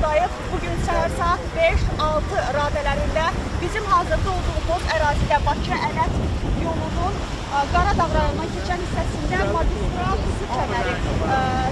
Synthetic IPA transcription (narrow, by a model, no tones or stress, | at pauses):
d̪ɑjɯpbuɟynsʰææɾsɑt̪beʃɑlˠt̪ʰɯɾɑːd̪ælæɾind̪æbizimɦɑːzɯɾd̪ɯo̞lˠd̪uʁb̪oχæɾɑːzid̪æbɑcʰɑʔælæt̪jo̞lˠunun | ɡɑɾɑd̪ɑvɾɑɾɯnd̪ɑncʰe̞t͡ʃʰænist̪æsind̪æmɑd̪ist̪ɾɑt̪ʰusɯt͡ʃ̪ʰæmæɾi